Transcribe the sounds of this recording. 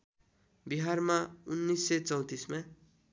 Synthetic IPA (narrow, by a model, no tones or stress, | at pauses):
biɦarmaunːisːet͡sʌw̃t̪isma